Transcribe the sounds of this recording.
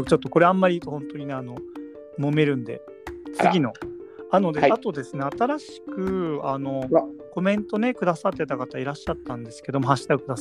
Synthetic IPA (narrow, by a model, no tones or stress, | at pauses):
t͡ɕo̞t̪ːoko̞ɾe̞amːaɾʲit̪ohõ̞nt̪o̞ɲ̟ine̞ano̞ | mo̞me̞ɾɯ̟̃nd̪e̞̰ | t͡sɨɡʲino̞ano̞d̪eat̪o̞d̪e̞sɨne̞at̪aɾaɕi̥kɯ̟ano̞ko̞mẽ̞nt̪o̞ne̞kɯ̟d̪asat̪ːe̞t̪akat̪aiɾaɕːat̪ːãnd̪e̞sɨ̥ke̞d̪o̞moɦaɕi̥t̪aɯ̟kɯ̟d̪as